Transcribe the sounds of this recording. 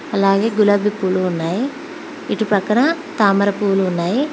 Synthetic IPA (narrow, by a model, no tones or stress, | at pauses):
ɐlaːɡe̞ːɡulaːbʱipːuːluːnːaːji | iʈupɾɐkɐɳɐ | t̪aːmɐɾɐpuːluunːaːji